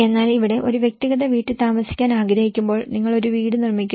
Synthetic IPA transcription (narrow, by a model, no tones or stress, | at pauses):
e̞nːaːliʋiɽe̞ʔo̞ɾuʋjek̚t̪iɣɐðɐʋiːʈːɨt̪aːmɐsi̥kʲːaːnaːɡɾɐhikʲːumbo̞ːɭniŋːɐɭo̞ɾuʋiːɽunirmikʲːu